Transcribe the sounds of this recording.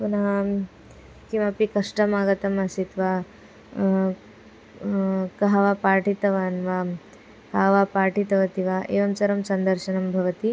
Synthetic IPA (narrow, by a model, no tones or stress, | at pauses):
puna | kĩwʋapikɐʂʈɐmaːɡɐt̪ɐmɐsit̪ʋa | kɐɦɐʋapaːʈit̪ɐʋaːnʋa | kaɦʋapaːʈit̪ɐʋɐt̪iʋaʔeːʋɐmt͡sɐɾɐmsɐnd̪ɐɾʃɐnɐmbʱɐʋɐt̪i